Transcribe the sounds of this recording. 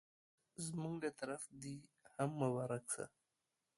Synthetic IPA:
zmuŋɡlat̪aɾafd̪ihamːəwaɾaksa̰

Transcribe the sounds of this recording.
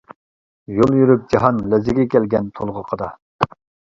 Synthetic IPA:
jolˠjyɾyp̚d͡ʒɑɦɑnlɛzɪɡʲɛkʲɛlɡʲɛnt̪ʰolˠʁəqʰəd̪ɑ̰

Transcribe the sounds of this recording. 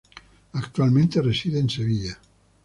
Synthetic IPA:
akt̪ualˠmẽnt̪eresiðeːnseβiʎa

